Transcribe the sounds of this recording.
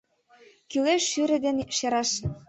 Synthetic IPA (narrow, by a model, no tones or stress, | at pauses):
kyleʃːyɾɘ̆d̪enʃeɾɑʃ